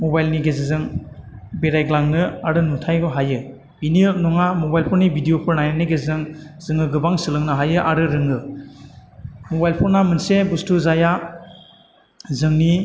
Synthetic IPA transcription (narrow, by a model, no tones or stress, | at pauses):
mobajlniɡezizɯŋ | beɾajɡlaŋnɯaɾɯnutʰajɡɦajɯ | biniɯnɔŋamobajlpʰɔɾnibʱidijopʰɯɾnajaniɡezzɯŋzɯŋɯɡɯbaŋsɯlɯŋnɯɦajɯʔaɾɯɾɯŋɯ | mobajlpʰɔnamɯnsebustuzaja | zɯŋni